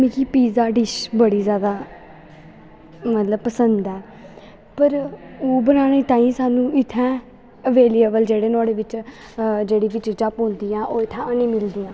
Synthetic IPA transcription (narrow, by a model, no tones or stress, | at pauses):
mĩːkipiːzaːɖɪʃbəɽiːzjaːd̪aː | mət̪ləbpəsənd̪ɛː | pəɾoːbənaːneːt̪ãːĩːsaːnũːɪt̪ʰːɛ̃ː | əʋeːliːəbəld͡ʒeːɽeːnʊaːɽeːʋɪt͡ʃ | d͡ʒeːɽiːʋɪt͡ʃd͡ʒaːpõːnd̪iːãːʔoːɪt̪ʰːɛ̃ːənĩːmɪld̪iːãː